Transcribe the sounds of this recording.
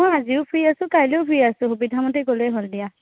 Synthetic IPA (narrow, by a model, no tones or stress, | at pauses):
mɔjaziʊpʰɹiasʊ̃kajleʊpʰɹiasʊ̃xubidʱamɔteɡolɛɦoldija